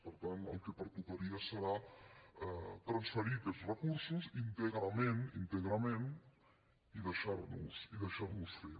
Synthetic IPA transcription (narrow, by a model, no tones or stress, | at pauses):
pəɾt̪anə̰lˠkəpəɾt̪ukaɾiasəɾa | ɛt̪ɾansfəɾikɛsrəkuɾsusint̪eɣɾamenint̪eɣɾamẽn | iðəʃaɾnusiðəʃaɾnusfe